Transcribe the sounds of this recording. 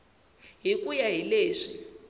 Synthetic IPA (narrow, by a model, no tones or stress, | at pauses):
ɦikujaɦileːʂi